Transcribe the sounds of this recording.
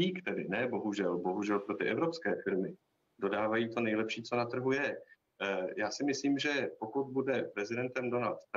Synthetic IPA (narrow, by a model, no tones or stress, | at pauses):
iːkt̪ɛdɪnɛbo̞ɦuʒɛlbo̞ɦuʒɛlpɾo̞t̪ɪʔɛvɾo̞pskɛːfɪɾmɪ | do̞daːvajiːt̪o̞nɛjlɛpʃiːt͡so̞nat̪r̩ɦujɛ | jaːsɪmɪsliːmʒɛpo̞kut̪̚budɛpɾɛzɪdɛnt̪ɛmdo̞nalt̪ː